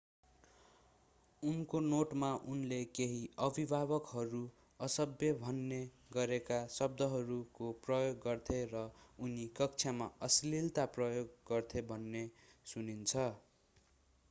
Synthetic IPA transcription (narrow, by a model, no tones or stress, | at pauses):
unkonoʈmaʔunlekeɦiʌbʱibʱaβʌkɦʌɾu | ʌsʌbjʌbʱʌnːe | ɡʌɾekasʌb̚d̪ʌɦʌɾukoprʌjoɡːʌrt̪ʰerʌunikʌk̚t͡sʰjamaʌslilt̪aprʌjoɡːʌrt̪ʰebʱʌnːesunint͡sʰʌ